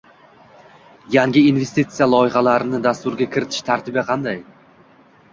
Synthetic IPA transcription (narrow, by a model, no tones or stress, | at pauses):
jaŋɡʲɪinve̞st̪it̪sɨjalˠɒjɪχalaɾɪnɪd̪ast̪ʊɾɡʲakʲʰɪɾɪt̪ʰɪ̥ʃt̪ʰaɾt̪ʰɪbaqʰɑnd̪aj